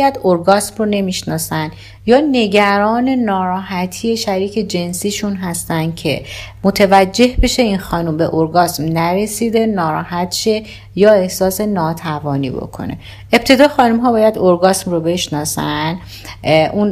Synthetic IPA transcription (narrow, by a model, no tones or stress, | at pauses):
jæd̪oɾɡɒsmrone̞miʃnɒːsæn | jɒːne̞ɟæɾɒːne̞nɒːɾɒːɦæt̪ʰiːje̞ʃæɾiːcʰe̞d͡ʒe̞nsiːʃunɦæst̪ænd̪̥̚cʰe̞mot̪ʰevæd͡ʒːe̞hbe̞ʃe̞inxɒːnumbe̞ʔoɾɡɒːsmnæɾe̞sid̪e̞nɒːɾɒːhæt̪ʃe̞ | jɒːe̞hsɒːse̞nɒːt̪ʰævɒːnḭːbo̞̰kʰo̰ne̞̰ | e̞p̚t̪ʰe̞d̪ɒːxɒːnumɦɒːbɒːjæd̪oɾɡɒːsmrobe̞ʃnɒːsæn | ʔun